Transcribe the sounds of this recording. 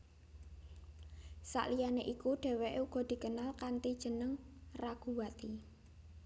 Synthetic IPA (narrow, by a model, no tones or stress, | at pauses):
sa̰ʔlijaneʔikuɖ̥e̤weʔuɡ̥ɔ̤d̪̥i̤kənalkant̪id̥ʒ̥ə̤nəŋraɡ̥ṳwat̪i